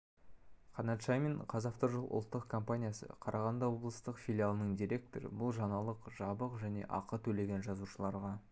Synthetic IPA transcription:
qʰɑnɑt̪ʃajmeɴqʰɑzɑft̪əɾʒəlˠʔʊ̰lˠt̪ːəqkʰo̞mpanʲijasə̰qʰɑɾʔɑʁɑnd̪ɑwo̞blˠəst̪əqfʲilʲijalˠənəɴd̪iɾʲe̞k̚t̪o̞ɾə̰bʊlˠʒɑnɑlˠəqʒɑbəqʒæne̞̰ʔɑqət̪ʰɵle̞ɡʲe̞nʒɑzuʃəlˠɑɾʁɑ

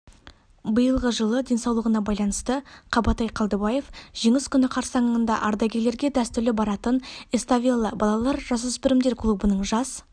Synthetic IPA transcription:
bəjəlˠʁəʒəlˠəd̪ʲe̞nsɑwlˠəʁənɑbɑjlˠɑnəst̪əqʰɑbɑt̪ɑjqʰɑlˠd̪əbɑje̞fʒ̥iŋɪskʲʰʏnɪqʰɑɾsɑɴəənd̪ɑʔɑɾd̪ɑɡʲe̞le̞ɾɡʲe̞d̪æst̪ʏɾlɪbɑɾɑt̪ənest̪avʲijlˠəbɑlˠɑlˠɑɾʒɑs̬ʏsbɪɾɪmd̪e̞ɾkʰlˠubənəɴʒɑs

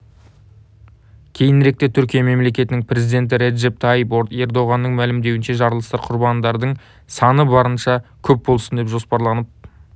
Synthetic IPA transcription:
kʲʰe̞jɪnɾe̞k̚t̪e̞t̪ʰʏɾkʲijɑme̞mle̞kʲe̞t̪ɪnɪŋpʰɾe̞zijd̪e̞nt̪̬ɪɾe̞d̪ʒe̞p̚t̪ʰɑjpoɾt̪e̞ɾd̪o̞ʁɑnːəɴmælɪmd̪e̞wɪnʃe̞ʒɑɾəlˠəst̪ɑɾqʰʊɾbɑnd̪ɑɾd̪əɴ | sɑnəbɑɾənʃɑkʲʰɵp̚bo̞lˠsənd̪e̞pʒo̞spɑɾlˠɑnəp̚

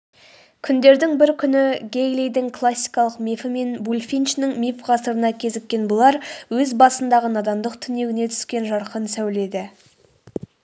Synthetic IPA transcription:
kʲʰʏnd̪e̞ɾd̪ɪŋbɪɾkʲʰʏnɪɡʲejlejd̪ɪŋkʰlˠasʲːijkɑlˠəqmifɪme̞nbulʲfʲijnʃnɪŋmʲifʁɑsəɾənɑkʲʰe̞zɪkʲːe̞nbʊlˠɑɾwɵzbɑsənd̪ɑʁənɑd̪ɑmd̪əqt̪ʰʏne̞ɡʲɪne̞t̪ʰʏ̥skʲe̞nʒɑɾqənsæwle̞d̪ɪ

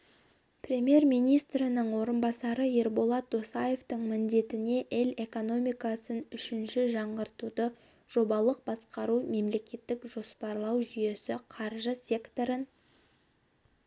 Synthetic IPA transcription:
prʲe̞mije̞ɾmijnijst̪ɾɪnəɴwo̞ɾənbɑsɑɾəjeɾbo̞lˠɑt̪̚d̪osɑje̞ft̪əɴmɪnd̪e̞t̪ɪne̞ʔɪle̞ko̞no̞mijkɑsənʏʃɪnʃɪʒɑɴʁəɾt̪ud̪ə | ʒ̥o̞bɑlˠəq̚bɑsqɑɾume̞mle̞kʲe̞t̪ːɪkʒo̞spɑɾlˠɑwʒʏje̞sɪqʰɑɾʒəsʲe̞kt̪o̞ɾən

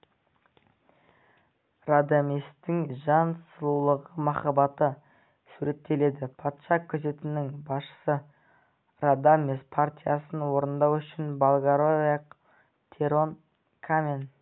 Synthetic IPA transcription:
rad̪amist̪ɪŋʒɑnsəlˠulˠəʁəmɑχɑbɑt̪ə | suɾe̞t̪ʰːe̞le̞d̪ɪpʰɑt̪ʃɑkʲʰːɵze̞t̪ɪnɪŋbɑsʃə̥sə | rad̪amespʰart̪ʲijasənwo̞ɾənd̪ɑwʏʃɪnbalˠɡaɾoeq | t̪ʰeɾon | kʰamʲen

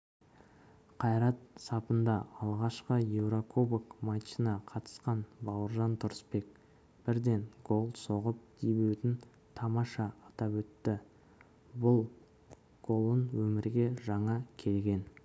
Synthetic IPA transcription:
qʰɑjɾɑt̪̚sɑpənd̪ɑɑlˠʁɑʃqəjewɾokʰobəkmɑt͡ʃːinɑqʰɑt̪ə̥sqɑnbɑwəɾʒɑnt̪ʰʊɾəspe̞k̚ | b̥ɪɾd̪e̞nɡo̞lˠso̞ʁəp̚d̪̥ʰijbewt̪ɪn | t̪ʰɑmɑʃɑːt̪ɑpwɵt̪ːɪ | bʊlˠ | ɡ̥o̞lˠənwɵmɪɾɡʲe̞ʒɑɴɑkʲʰe̞lɡʲe̞n

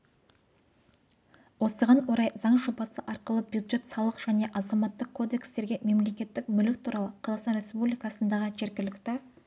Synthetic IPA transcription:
wo̞səʁɑnwo̞ɾɑjzɑɴʒo̞bɑsəʔɑɾqəlˠəbjud̪ʒe̞t̪sɑlˠəqʒ̥æne̞ʔɑzɑmɑt̪ːəqkʰːo̞d̪e̞kst̪e̞ɾɡʲe̞me̞mle̞kʲe̞t̪ːɪk̚bʏlɪk̚t̪ʰuɾɑlˠəqʰɑzɑqsɑnɾʲe̞spublijkɑsənd̪ɑʁəʒe̞ɾɡʲɪlɪkt̪ɪ

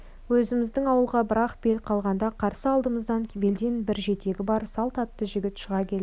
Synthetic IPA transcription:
wɵzɪmɪzd̪ɪŋɑwəlˠʁɑbəɾɑqb̥e̞lqʰɑlˠʁɑnd̪ɑqʰɑɾsəɑlˠd̪əməzd̪ɑŋkʲʰbe̞ld̪e̞nbɪɾʒe̞t̪e̞ɡʲɪbɑɾsɑlˠt̪ɑt̪ːəʒɪɡʲɪt̪ʃəʁɑkʲʰe̞lɪ

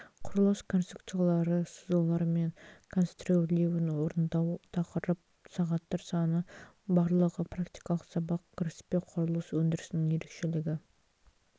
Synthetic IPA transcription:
qʰʊɾəlˠəskʰo̞nst̪ɾupt̪ɨjalˠɑɾəsuzolˠɑɾme̞ŋkʰonst̪rolewɪnwoɾənd̪ɑwt̪ʰɑqəɾəp̚ | sɑʁɑt̪ːɑɾsɑnə | bɑɾlˠəʁəpʰrakt̪ijkɑlˠəqsɑbɑq̚kʲʰɪɾɪspe̞qʰʊɾəlˠəswɵnd̪ɪɾɪsɪnɪŋje̞ɾe̞kʃe̞lɪɡʲɪ

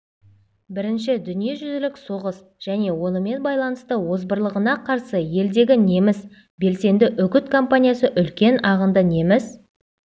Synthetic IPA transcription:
bɪɾɪnʃɪd̪ʏnije̞ʒʏzɪlɪkso̞ʁəs | ʒ̥æne̞wo̞nəme̞nbɑjlˠɑnəst̪əwo̞zbəɾlˠəʁənɑqʰɑɾsəje̞ld̪e̞ɡʲɪne̞mɪs | be̞lse̞nd̪ɪʔʏkʲɪt̪kʰo̞mpanʲijasəʔʏlkʲe̞nɑʁənd̪əne̞mɪz

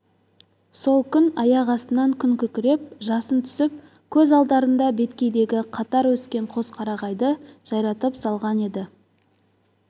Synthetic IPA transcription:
so̞lˠkʲʰʏnɑjɑʁɑst̪ənɑŋkʲʰʏŋkʲʏɾkʲɪɾe̞p̚ʒɑsənt̪ʰʏ̥sɪp̚ | kʲʰɵzɑlˠd̪ɑɾənd̪ɑbe̞t̪kʲe̞jd̪e̞ɡʲɪqʰɑt̪ɑɾwɵskʲe̞ɴqʰo̞zqʰɑɾɑʁɑjd̪əʒ̥ɑjɾɑt̪əpsɑlˠʁɑne̞d̪ɪ

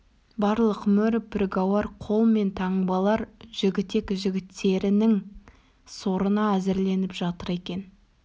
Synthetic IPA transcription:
bɑɾlˠəqmʏɾpʰʲɾeɡawɑɾqʰo̞lˠme̞nt̪ʰɑɴbɑlˠɑɾʒ̥ɪɡʲɪt̪e̞kʒɪɡʲɪt̪ːe̞ɾɪnɪŋ | so̞ɾənɑæzɪɾle̞nɪpʒɑt̪əɾe̞kʲe̞n

